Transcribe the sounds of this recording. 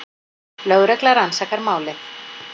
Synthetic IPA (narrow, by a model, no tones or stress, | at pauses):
lœɣɾɛklaɾansakaɾmaːwlɪθ